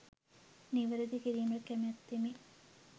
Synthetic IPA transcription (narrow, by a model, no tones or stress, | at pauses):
niʋɐɾed̪ikiɾiːmɐlkæmɐt̪ːimi